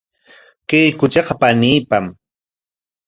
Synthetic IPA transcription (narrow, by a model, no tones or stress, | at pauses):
kejkʊt͡ʃɑqɑpaniːpam